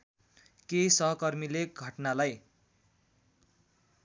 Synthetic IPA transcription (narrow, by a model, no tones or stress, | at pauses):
kesʌɦʌkʌrmileɡʱʌʈnalaj